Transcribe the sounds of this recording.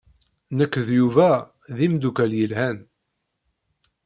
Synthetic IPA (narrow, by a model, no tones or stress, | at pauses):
nəkːðjuvæ | ðimd̪ukæljəlhæn